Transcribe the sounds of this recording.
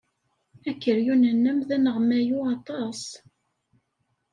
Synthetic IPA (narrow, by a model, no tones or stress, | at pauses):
ækːəɾjunənːæmðænəʁmæjuɑt̪ˤɑsˤ